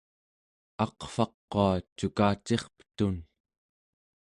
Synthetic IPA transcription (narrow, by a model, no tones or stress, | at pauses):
ɑqfɑqːoat͡ʃukaːt͡ʃe̞χpə̥t̪un